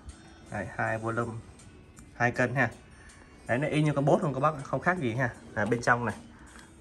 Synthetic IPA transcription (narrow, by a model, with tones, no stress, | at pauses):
ha̰˧˩jhaː˧jvo˧˩lə˧m | haː˧jkə˧˩nɦaː˧˩ | ɗə˨˦na˨˦ʔi˧ɲɨ˧kɔ˧ɓo˦˥t̚ho˨˧˩kɔ˧˦ɓa˦˥˧xə˧wŋ͡mxaː˦˥k̚zi˨˩ɦaː˧˩aː˨˩ɓe˧nt͡ɕɔ˧wŋ͡mna˨˩j